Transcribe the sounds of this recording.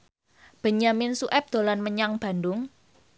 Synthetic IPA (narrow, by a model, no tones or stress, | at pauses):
b̥ə̤ɲamɪnsuʔɛp̚d̪̥o̤lanməɲaŋb̥a̤ndʊŋ